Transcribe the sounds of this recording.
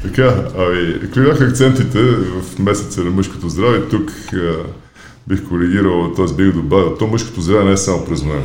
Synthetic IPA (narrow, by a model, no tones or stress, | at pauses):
t̪ɐkaɐmiɐ̰kvibʲjaxəːk̚t̪sɛnt̪it̪ɛvɐfmɛsɛt̪sənɐmɤʃko̥t̪ozd̪ɾavɛit̪uk | bixkoɾɛɡiɾəlˠt̪ɔɛzbiɡd̪obavilˠt̪ɔmɤʃko̥t̪ozd̪ɾavɛnɛɛsamʊpɾɛzmɛ